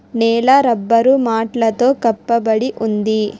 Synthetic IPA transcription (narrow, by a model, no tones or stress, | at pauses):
nɛːlɐɾɐbːɐɾumaːʈlɐt̪o̞ːkɐpːɐbɐɽiʔund̪i